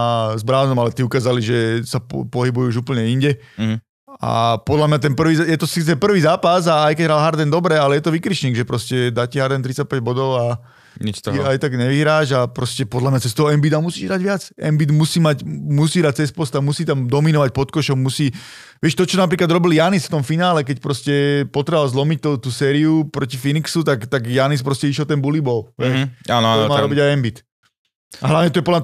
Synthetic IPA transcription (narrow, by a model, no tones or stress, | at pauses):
zbɾaːnɔmalɛt̪iukaːzaliʒɛsapɔɦibujuuːʒuːpl̩ɲɛiɲɟɛ | a̰pɔd̪lamɲat̪ɛnpr̩ʋiːzjɛt̪ɔsit͡sɛpr̩ʋiːzaːpazaːjkɛɟɦɾalɦaɾd̪ɛnd̪ɔbɾɛalɛjɛt̪ɔʋikɾiʃɲiːɡʒɛpɾɔscɛd̪aːciɦaɾd̪ɛnt̪ɾit͡sac̚pɛɟ̚bɔd̪ɔʊa | ɲit͡ʃt̪ajt̪aɡɲɛʋiɦɾaːʒapɾɔscɛpɔd̪lamɲat͡sɛst̪ɔɦɔɛmbid̪amusiːʒɦɾaɟʋɪat͡sɛ̰mbid̪musiːmacmusiːɦɾac̚t͡sɛspɔst̪amusiːt̪amd̪ɔminɔʋac̚pɔt̪kɔʃɔmːusiː | ʋɪɛʃt̪ɔt͡ʃɔnapɾiːklad̪ɾɔbiljanisft̪ɔmfinaːlɛkɛcpɾɔscɛpɔt̪ɾɛʋalzlɔmic̚t̪ɔt̪uːsɛːɾiupɾɔcifiniksut̪akt̪aɡjanispɾɔscɛiʃjɛlt̪ɛnbulibɔlɦɛanɔɔmaːɾɔbiɟajɛmbit̪ | aɦlaʋɲɛt̪ɔjɛpɔd̪lam